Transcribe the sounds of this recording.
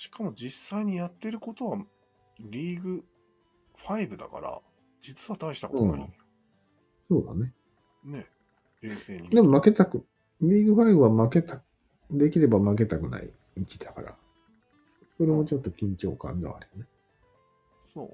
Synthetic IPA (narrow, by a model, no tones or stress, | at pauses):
ɕi̥kʰamo̞d͡ʑisːaiɲ̟ijat̪ːe̞ɾɯ̟ko̞t̪o̞βa | ɾʲiːɡɯ̟ | ɸaibɯ̟d̪a̰ka̰ɾa̰ | d͡ʑit͡sɨβat̪aiɕi̥t̪aksona̰ɲi | so̞ːd̪a̰ne̞ | ne̞ | ɾeːseːɲid̪emmake̞t̪akɯ̟ | ɾʲiːɡɯ̟ɸaibɯ̟βamake̞t̪ak | d̪e̞kʲiɾe̞bamak̬e̞t̪akɯ̟na̰ḭ | mʲit͡ɕid̪̥aka̰ɾa̰ | so̞ɾe̞mo̞t͡ɕo̞t̪ːo̞kʲĩɲ̟t͡ɕo̞ːkã̰nd̪eβa̰ɾʲijone | so̰ː